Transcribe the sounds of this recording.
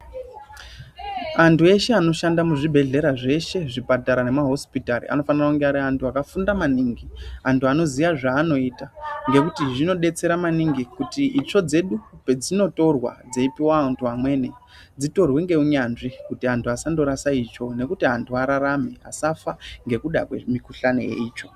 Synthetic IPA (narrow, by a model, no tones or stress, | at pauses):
antʰue̞ʃe̞ano̞ʃandamuʐibʱe̞ɮe̞ɾaʐe̞ʃe̞ʐipataɾane̞maɦo̞spitaɾḭʔa̰no̞fanirakuŋɡeaɾiantʰuakafundamaniːŋɡiantuano̞zijaʐaːno̞iːtaŋɡe̞kutiʐino̞ɗe̞t͡se̞ɾamaniŋɡikutiːt͡ʃo̞d͡ze̞ɗupe̞d͡zino̞to̞rwa̰d͡zeipiwaantʰuamwe̞ːne | d͡zito̞rwe̞ŋɡe̞uɲanʐikutiantʰuasando̞ɾasait͡ʃo̞ne̞kutiɦantʰuaɾaɾame̞a̰safaŋɡe̞kuɗa̰kwḛmikuɬane̞̰jḛiːt͡ʃo̞